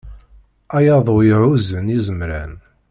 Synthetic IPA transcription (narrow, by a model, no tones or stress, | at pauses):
æjɑðˤojʕuzənizəmɾæ̰n